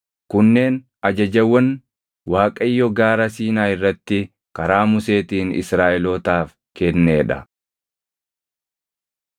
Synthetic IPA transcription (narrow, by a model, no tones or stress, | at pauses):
kʊnːe̞ːn | ɐd͡ʒɐd͡ʒɐwːɐn | waːkʼɐjːɔɡaːɾɐsiːnaːɪrːɐt̪ːɪ | kɐɾaːmʊse̞ːt̪iːnɪ̰sɾaːʔɛloːt̪aːf | kɛnːeːᶑɐ